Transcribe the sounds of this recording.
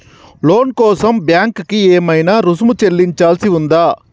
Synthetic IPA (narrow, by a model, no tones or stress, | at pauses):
loːnkɔːsɐmbjaːŋkkːieːmɐjnɐɾusmut͡ʃelːiɲt͡ʃaːlsiʋund̪aː